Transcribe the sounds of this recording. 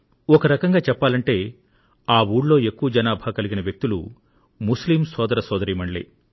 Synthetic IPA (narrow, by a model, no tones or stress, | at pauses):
ɔkɐɾɐkɐŋɡaːt͡ʃɛpːaːlɐɳʈe̞ː | aːwuːɽlo̞ːe̞kːuʋɐd͡ʒɐnaːbʱaːkɐliɡinɐʋjek̚t̪ulṵ | muslimsɔːd̪ɐɾɐsɔːd̪ɐɾiːmɐɳlḭ